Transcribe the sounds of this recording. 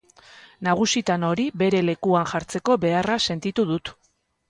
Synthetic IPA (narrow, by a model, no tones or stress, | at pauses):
naɣ̞usit̪ano̞ɾibe̞ɾe̞le̞kuanʝaɾt͡se̞ko̞be̞arase̞nt̪it̪uðut̪